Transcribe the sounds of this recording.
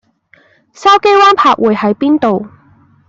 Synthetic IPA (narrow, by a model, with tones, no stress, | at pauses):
sɐ˥wke˥jwaː˥npʰaː˧k̚wuː˨˧jhɐ˨˥jpiː˥nt̪o˨w